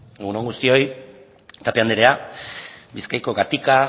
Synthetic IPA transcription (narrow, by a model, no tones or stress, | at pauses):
eɣunoŋɡust̪io̞j | t̪ape̞and̪eɾe̞a | biskajko̞ɡat̪ika